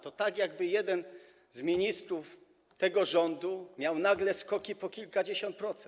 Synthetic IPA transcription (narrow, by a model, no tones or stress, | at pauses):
t̪ɔt̪aɡjaɡ̚bɘjɛd̪ɛn | zmʲiɲist̪ɾuf | t̪ɛɡɔʐɔnd̪umʲjawnaɡlɛskɔkʲipɔkʲilkad͡ʑeɕɔnt̪̚pɾɔt̪sɛ